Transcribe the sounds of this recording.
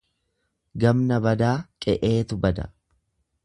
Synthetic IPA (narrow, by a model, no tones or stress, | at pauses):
ɡɐmnɐbɐd̪aːkʼɛʔe̞ːt̪ʊbɐd̪ɐ̰